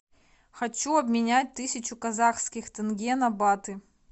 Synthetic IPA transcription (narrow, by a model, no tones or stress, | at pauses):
xɐt͡ɕuɐbmʲɪnʲæt̚ʲt̪ɨsʲɪt͡ɕʊkɐzaxskʲɪxt̪ɨnɡʲenɐbat̪ɨ